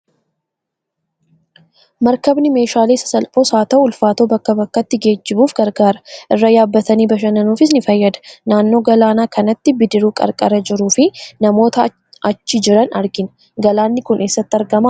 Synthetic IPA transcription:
mɐɾkɐbnɪme̞ːʃaːleːsɐ̥sɐlpʼo̞ːsaːt̪ɐʔʊlfaːt̪o̞ːbɐkːɐbɐkːɐt̪ːɪɡe̞ːd͡ʒːɪbuːfɡɐɾɡaːɾɐ̥ʔɪrːɐjaːbːɐt̪ɐniːbɐʃ̬ɐnɐnuːfɪs̬nɪfɐjːɐd̪ɐ̥naːnːo̞ːɡɐlaːnaːkʰɐnɐt̪ːɪbɪd̪ɪɾuːkʼɐ̰ɾkʼɐɾɐd͡ʒɪɾuːfɪnɐmo̞ːt̪ɐ | ɐt͡ʃːɪd͡ʒɪɾɐnɐɾɡɪn | ɡɐlaːnːɪkʊnʔe̞ːsːɐt̪ːɪɐɾɡɐmaː

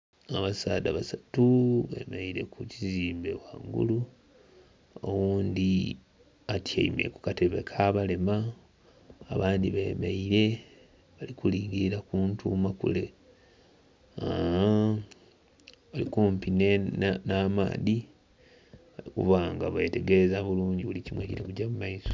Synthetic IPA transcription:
aβasaːdaβasatuβe̞̰meiɾe̞kʰuciziːmbe̞waŋɡṵlu | o̰wuːnd̪i | atʰja̰ime̞̰ku̥kate̞βe̞kʰaβale̞maː | βaːnd̪iβe̞ːmeiɾe̞ | βalikuliːŋɡiɾiɾakuːntʰuːmakṵle̞ | a | βalikuːmpinennama̰ːði | βalikṵβaːŋɡaβe̞te̞ɡe̞ezaβuluːɲɟiβulicimweciɾekuɟamumaiso̥

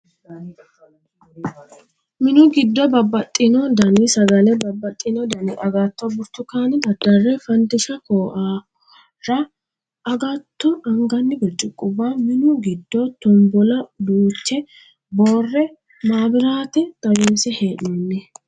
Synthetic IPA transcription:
mɪnʊɡɪd̪ːɔbɐbːɐt̪ʼːɪnɔd̪ɐnisɐɡɐlɛbɐbːɐt̪ʼːɪnɔd̪ɐnɪʔɐɡaːt̪ːɔbʊɾt̪ːʊkaːnɪd̪ɐd̪ɐrːɛfɐnd̪ɪʃɐkoːʔaː | ɾɐ | ɐɡat̪ːɔʔɐŋɡɐnːɪɡɔt͡ʃʼːʊkʼːʊbamɪnʊɡɪd̪ːɔt̪ɔmbɔlɐd̪uːt͡ʃːɛ | boːrːɛ | maːbɪɾaːt̪ɛt̪ʼɐwiːmsɛheːᶑɔnːɛ

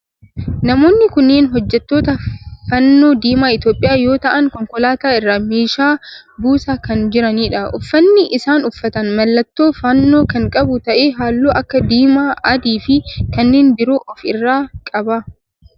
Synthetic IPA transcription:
nɐmo̞ːnːɪkʊnːeːnɦɔd͡ʒːɛt̪ːo̞ːt̪ɐfɐnːo̞ːd̪iːmaːɪt̪jo̞ːpʼɪjaːjo̞ːt̪ɐʔɐŋkɔŋkɔlaːt̪aːɪrːaːmeːʃaːbuːsaːkɐnd͡ʒɪɾɐniːᶑɐʊfːɐnːɪʔɪsaːnʊfːɐt̪ɐnmɐlːɐt̪ːo̞ːfɐnːo̞ːkɐŋkʼɐbʊt̪ɐʔeːɦaːlːoːʔɐkːɐd̪iːmaːɐd̪iːfɪkɐnːeːnbɪɾo̞ːʔɔfɪrːaːkʼɐbɐ

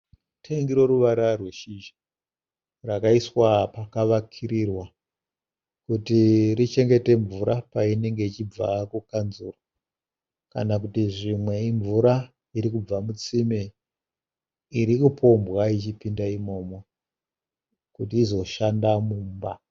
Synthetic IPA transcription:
tʰeŋɡiɾo̞ɾuʋaɾarweʃiʒa | rakaiswapakaʋakʰiɾirwa | kutirit͡ʃe̞ŋɡe̞te̞ɱvuɾapaine̞ŋɡe̞it͡ʃib͡vakukanzuro | ka̰nak̬utiʐimwe̞iɱvuɾa | iɾikub͡vamut͡sime | iɾikupʰo̞mbwait͡ʃipindaimo̞ːmo | kutiːzo̞ʃandamuːmba

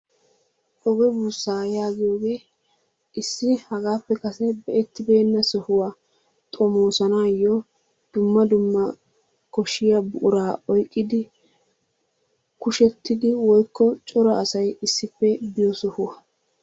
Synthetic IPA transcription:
ʔɔɡɔbuːsːaːjaːɡɪjoːɡe̞ː | ɪsːɪhɐɡaːpːɛkɐsɛbɛʔɛt̪ːɪbe̞ːnːɐsɔhʊwa | t̪ʼɔmoːsɐnaːjːɔ | d̪̥ʊmːɐd̪ʊmːɐ | kɔʃːɪjɐbʊʔʊɾaːʔɔjkʼːɪd̪ɪ | kʊʃɛt̪ːɪd̪ɪwɔjkːɔt͡ʃʼɔɾɐːsɐjɪsːɪpːɛbɪjɔsɔhʊwɐ

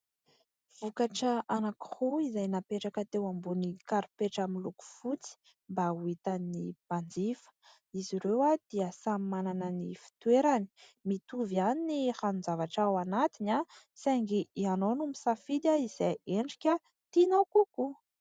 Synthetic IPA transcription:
v̥ukaʈ͡ʂəʔanaki̥huizajnapeʈ͡ʂakət̪ewambunikaɾipeʈ͡ʂamiluku̥fut͡si̥ | mbauit̪annib̥and͡zifə̥ | iziɾewad̪̥iəsammananənifi̥t̪weɾani̥mit̪uvianiniranunzavaʈ͡ʂawanat̪ina | saŋɡiianonumisafid̪ʲaiz̥ajeɳɖ͡ʐi̥kʲə | t̪inawkuku

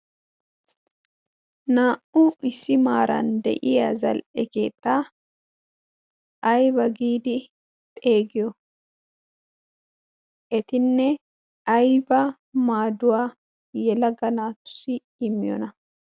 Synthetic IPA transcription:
naːʔʊɪsɪmaːɾɐ̰nd̪ɛ̰ʔɪjɐzɐ̰lʔɛkeːt̪ʼːaː | ʔɐjbɐɡiːd̪ɪ | t̪ʼe̞ːɡɪjɔ | ʔɛt̪ɪnːɛ | ɐjbɐ | maːd̪ʊwaː | jɛlɐɡɐnaːt̪ːʊ̥sɪː | mːɪjɔ̰nɐ

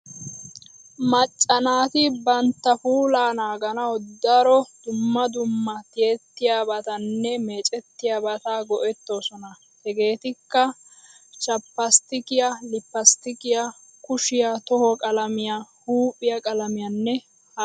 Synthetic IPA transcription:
mɐt͡ʃʼːɐnaːt̪ɪbɐnt̪ːɐfuːlaːnaːɡɐnɐwɔd̪ɐɾɔd̪̥ʊmːɐd̪ʊmːɐt̪ɪjet̪ːɪjabɐt̪ɐnːɛmeːt͡ʃʼɛt̪ːɪjɐbɐt̪aːɡɔʔɛt̪ːo̞ːsɔnɐ | hɛɡe̞ːt̪ɪkːɐ | t͡ʃʼɐpːɐst̪ɪkɪjɐlɪpːɐst̪ɪkɪjɐ | kʊʃɪjat̪ɔhɔkʼɐlɐmɪjahuːpʼɪjɐkʼɐlɐmɪjɐnːɛ | hɐ

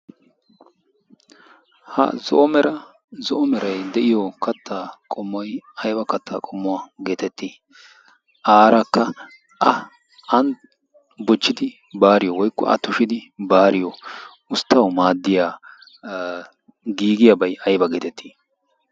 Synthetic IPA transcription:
hɐ̰zɔ̰ʔɔmɛɾɐ | zɔʔɔmɛɾɐjd̪ɛʔɪjɔkɐt̪ʰːaːkʼɔmːɔjɐjbɐkɐt̪ʰːaːkʼɔmːʊwaːɡe̞ːt̪ɛt̪ːi | ʔaːɾɐkːɐ | ʔɐ | ɐn | bɔt͡ʃːɪd̪ɪ | baːɾɪjɔwɔjkːɔ̰ɐ̰t̪ːʊʃɪd̪ɪbaːɾɪjɔ | ʊst̪ːɐwmaːd̪ːɪjaː | ɡiːɡɪjɐbɐjɐjbɐɡeːt̪ɛt̪ʰːi̥ː

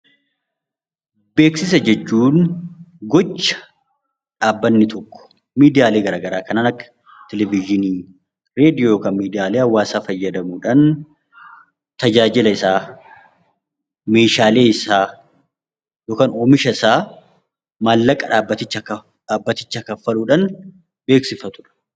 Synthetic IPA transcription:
be̞ːksɪs̬ɐd͡ʒɛt͡ʃːuːnɡɔt͡ʃːɐ̥ | ᶑaːbːɐnːɪt̪ʰɔkːɔ̥ | miːd̪ɪjaːleːɡɐɾaːɡɐɾaːkɐnaːnɐkːɐ̥ | t̪ɛlɛvɪd͡ʒɪniː | ɾe̞ːd̪ɪjoːjoːkaːnmiːd̪ɪjaːleːɐwːaːsaːfɐjːɐd̪ɐmuːᶑaːn | t̪ɐd͡ʒaːd͡ʒɪlɐɪsaː | me̞ːʃaːle̞ːɪsaː | joːkaːnoːmɪʃɐɪsaː | maːlːɐkʼːɐᶑaːbːɐt̪ɪt͡ʃːɐkɐ | ᶑaːbːɐt̪ɪt͡ʃːɐkɐfːɐluːᶑɐn | be̞ːksɪfɐt̪ʊ̥ᶑɐ̥

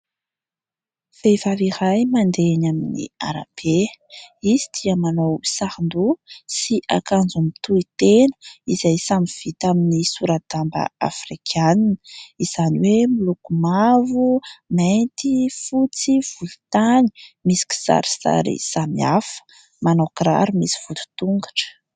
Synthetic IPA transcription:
fejvaviɾajmand̪enaminḭa̰ɾa̰b̥eizi̥t̪ʰiamanowsahind̪usiʔakand͡zumit̪uit̪enə̥iz̥ajsamiv̥it̪aminisuɾat̪ambə̰a̰frikʰaninəiz̥aniwemilukumavument̪ifut͡siv̥ulut̪ani̥misi̥ki̥sa̰ɾi̥sa̰ɾḭsamiafə̥ | manokɾa̰ɾimisi̥v̥ut̪u̥t̪uŋɡḁʈ͡ʂə̥

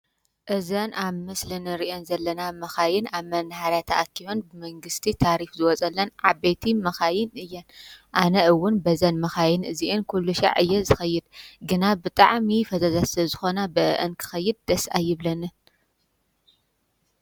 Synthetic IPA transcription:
ʔɨzɐnʔaβmɨslɨnɨɾiʔonzɐlːɐnamɐxajɪnaβmɐnhaɾjat̪ʰa̰ʔakʰːiβɐnbɨmɐŋɡɨst̪ʰit̪ʰaɾifzɨwɔt͡sʼɐlːɐnʕabet̪ʰimɐxajɪnɨjːɐnʔanɐɨwːʊnbɐzɐnmɐxajɪnɨziʔenkʰulːuʃa̰ʕɨjːɐzɨxɐjːɨd̪̚ɡɨnabɨt̪ʼaʕmifɐzɐzaslɐzɨxo̞nabɨʔɨ̰ʔɨnkʰɨ̥xɐjːɨd̪̚d̪ɐsajːɪβlɐnɨn

